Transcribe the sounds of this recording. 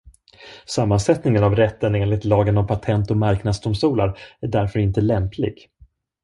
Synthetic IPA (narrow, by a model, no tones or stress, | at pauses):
samːansɛt̪nɪŋənavɾɛt̪ːəneːnlɪt̪lɑːɡənɔvpʰat̪ʰɛnt̪ɔmaɾknad̪sd̪ʊmst̪uːlaɾæɖæɾfœɾɪnt̪əlɛmpʰlɪ̰ɡ